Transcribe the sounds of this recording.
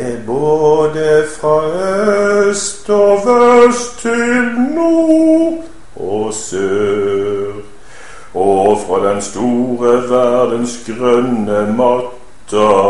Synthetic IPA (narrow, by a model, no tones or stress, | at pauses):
eboːd̪əfʁɑːœst̪ɔʋœst̪ʰːɪlnu | ʔɔsøːʁ | ɔfʁɑːd̪ɛnst̪uːʁəʋæd̪ənsɡʁœnəmɑt̪ʰː | ə